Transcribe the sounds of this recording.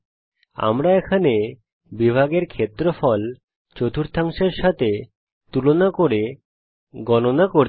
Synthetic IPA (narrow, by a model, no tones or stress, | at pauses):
a̰mɾaekʰane | bibʱaɡeɾkʰet̪ːɾofɔl | t͡ɕot̪ʰuɾt̪ʰaŋʃeɾʃat̪ʰe | t̪ulonakoɾe | ɡɔnonakoɾ